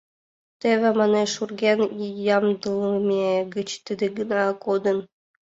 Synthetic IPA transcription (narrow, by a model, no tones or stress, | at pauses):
t̪ʲeʋʲɘ̆mɑnʲeʂurɡʲenʲjɑmd̪ɯlˠmʲeɡɘ̆t͡ɕt̪ʲɘ̆d̪ʲɘ̆ɡɯ̆nɑkod̪ɤ̆n